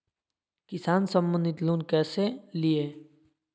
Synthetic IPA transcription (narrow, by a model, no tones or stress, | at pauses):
kɪsaːnsə̃mbə̃nd̪ɪt̪loːnkɛːselieː